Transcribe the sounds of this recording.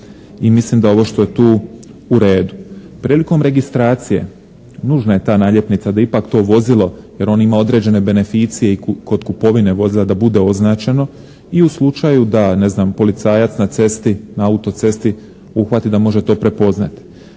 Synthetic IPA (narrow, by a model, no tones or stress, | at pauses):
imislimd̪ao̞ʋo̞ʃt̪o̞je̞t̪uː | uɾe̞ːd̪u | pɾiːliko̞mɾe̞ɡist̪ɾaːt̪sije̞̰ | nuːʒnaje̞t̪aːnaːʎje̞pnit̪sad̪aipakt̪o̞ːʋo̞zilˠo̞je̞ɾo̞nimao̞d̪ɾe̞d͡ʑe̞ne̞be̞ne̞fiːt̪sije̞iko̞d̪kupo̞ʋine̞ʋo̞zilad̪abud̪e̞o̞znaːt͡ʃe̞no̞ | iuslˠut͡ʃajud̪ane̞znaːmpo̞lit̪saːjat̪snat̪se̞st̪inaaut̪o̞t̪se̞st̪i | uxʋat̪id̪amo̞ʒe̞t̪o̞ːpɾepo̞znat̪i̥